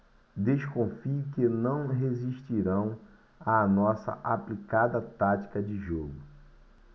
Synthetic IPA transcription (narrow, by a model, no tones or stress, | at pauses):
d̪eʃkõfiʊkɪnɐ̃w̃ɦeziʃt͡ʃiɾɐ̃w̃ | anɔsɐ̰ʔaplikad̪ɐt̪at͡ʃi̥kɐd͡ʒɪʒoɡʊ